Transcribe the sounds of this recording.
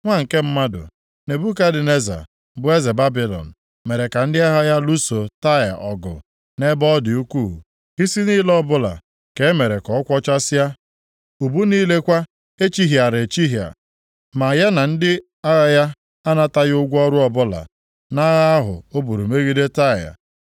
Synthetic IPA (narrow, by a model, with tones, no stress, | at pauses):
ŋʷa˦ŋ̩˨ke˦m̩˦ma˦dʊ̰˨ | ne˨bu˦ka˦dɪ˨ne˦za̰˨ | bʊ˦e˦ze˨ba˦bi˨lɔ̰˨n̩˨ | me˨ɾe˨ka˨n̩˦dɪ˦a˦ɦa˦ja˦lu˦so˨ta˦ja̰˨ʔɔ˨ɡʊ̰˨ | ne˦bɔ˦dɪ˨u˦kʷu˦˨ | i˦si˦niː˦lɔ˦bʊ˦la̰˨ | ke˨˦me˨ɾe˨kɔ˨˦kʷɔ˦t͡ʃa˦sa˦ | u˨bu˦niː˦le˦kʷa˦ | e˦t͡ʃi˦ɦja˨ɾe˨t͡ʃi˦ɦja̰˨ | ma˨ja˦na˨n̩˦dɪ˦ | a˦ɣa˦ja˦ | a˦na˦ta˦ɣʊ˦ɡʷɔ˦ɾʊ˦ɔ˦bʊ˦la̰˨ | na˦ɣa˦a˦ɦʊ̰˨o˦bu˨ɾu˨me˦ɣi˦de˦ta˦ja̰˨